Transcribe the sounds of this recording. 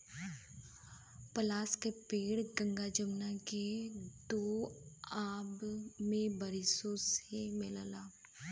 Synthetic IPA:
pəlaːskepeːɽɡə̃ŋɡad͡ʒəmnaked̪oːaːbmẽbəɾɪsõsemɪlalaː

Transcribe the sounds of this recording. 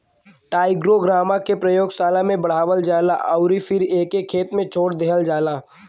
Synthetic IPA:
ʈaːɪɡɾoɡɾaːmakepɾəjoːɡsaːlamẽbɐɽ̤aːʋəld͡ʒaːla̰ʔəʊɾifɪɾeːkekʰeːt̪mẽt͡ʃʰoːɽd̪eɦəld͡ʒaːlaː

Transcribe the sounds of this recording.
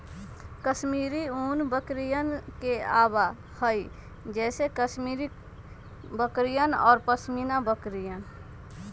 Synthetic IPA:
kəsmiːɾiuːnbəkɾijənkea̰ːba | həi | d͡ʒɛːsekəsmiːɾi | bəkɾijənɔ̰ːɾpəsmiːnabəkɾijən

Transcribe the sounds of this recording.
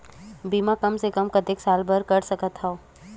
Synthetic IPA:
biːmakɐmsekəmkɐt̪ɪksaːlbəɾkɐɾsɐkət̪ɦaoː

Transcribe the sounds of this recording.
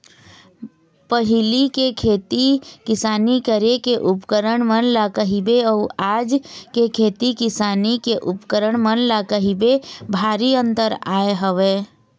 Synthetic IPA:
pəɦɪlikekʰeːt̪ikɪsaːnikəɾekeʔʊpkəɾəɳ̃mənlakəɦibeɔːaːd͡ʒkekʰeːt̪ikɪsaːnikeʔʊpkəɾəɳmənlakəɦibebʱaːɾiə̃nt̪əɾaːeɦəʋeː

